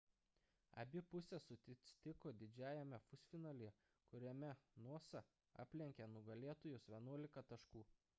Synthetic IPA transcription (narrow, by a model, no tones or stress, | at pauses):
ɐ̰bʲɪpʊsʲɛsʊt̪ʲsʲt̪ʲɪkoːd̪ʲɪd͡ʒʲæːjɛmʲɛfʊsʲfʲɪnɐlʲɪɛ | kʊɾʲɛmʲɛnuɔsɐ | ɑ̰ːpʲlʲɛŋʲkʲɛnʊɡɐlʲeːɛt̪oːjʊsʋʲiɛnuɔlʲɪkɐt̪ɐʃkuː